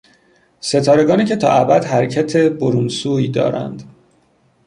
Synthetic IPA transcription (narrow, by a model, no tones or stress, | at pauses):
se̞t̪ʰɒːɾe̞ɡɒːniːce̞t̪ʰɒ̰ːʔæbæd̪ɦæɾecʰæt̪ʰe̞boɾunsuːiːd̪ɒ̰ːɾæ̰nd̪